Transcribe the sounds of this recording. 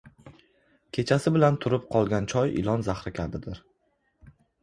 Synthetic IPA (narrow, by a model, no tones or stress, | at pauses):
kʲʰe̞t͡ʃʰasɪbɪlant̪ʰʊɾɪp̚qʰɒlˠɡʲant͡ʃʰɒjɪ̰lˠɒnzaχɾɪkʲʰabɪd̪ɪɾ